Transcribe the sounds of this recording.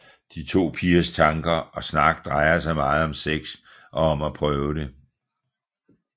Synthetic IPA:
d̥it͡sʰo̝̰ːpʰiɐst͡sʰɑ̈ŋɡ̥ɐɒ̽snɑ̈ɡ̥d̥ʁɑ̈ɪɐsɑ̈ɪmɑ̈ːð̞̩ˠɒ̽mseɡ̥s | ʔɒ̽ːmæpʰʁœːʊɾ̥e̝

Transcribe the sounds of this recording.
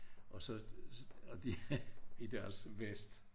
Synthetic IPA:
ʔɒ̽sɒ | d̥iid̥æɐsʋesd̥

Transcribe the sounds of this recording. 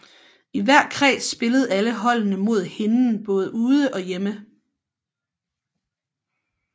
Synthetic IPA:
iʋæɐ̰kʰʁɛ̰ːsb̥e̝ləð̞̩ˠæləɦɒ̽l̰nəmo̝ð̰ˠhe̝nn̩b̥ɔ̽ːð̞ˠəuːð̞ˠəʔɒ̽jemə

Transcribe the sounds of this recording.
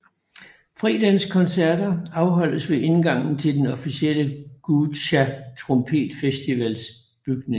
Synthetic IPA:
fʁḭːd̥ænskʰɒ̽nsæɐ̰d̥ɐɑ̈ʊɦɒ̽l̰əsʋe̝ʔe̝nɡ̥ɑ̈ŋ̰n̩t͡sʰe̝ld̥enɒ̽fisiel̰əɡ̥ud̥ɕæt͡sʰʁɔ̽mpʰe̝̰ːd̥fesd̥iʋæls | b̥yɡ̥ne̝ŋ

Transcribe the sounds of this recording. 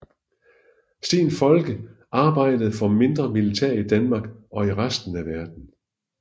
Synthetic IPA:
sinfɒ̽lɡ̥əʔɑ̈ːb̥ɑ̈ɪ̰d̥əð̞̩ˠfɒ̽me̝nd̥ʁɐmilit͡sʰeɐ̰id̥ænmɑ̈ːɡ̥ɒ̽iʁasd̥n̩æʋæɐd̥n̩

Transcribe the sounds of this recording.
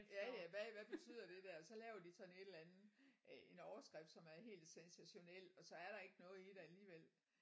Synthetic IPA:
jæjæʋæʋæb̥et͡sʰy̰ð̞̰ˠɐd̥e̝d̥æɐ̰ɒ̽sɒ̽lɛːʊɐd̥isɒ̽n̩e̝d̥elænð̩ˠʔe̝nɒʊɐsɡ̥ʁɛfd̥sɒ̽mæɐɦe̝̰ːld̥sensæɕo̝nel̰ɒ̽sɒ̽æɐɾɑ̈e̝ɡ̥ənɔ̽ːð̩ˠiɾ̥eæliːʋel̰

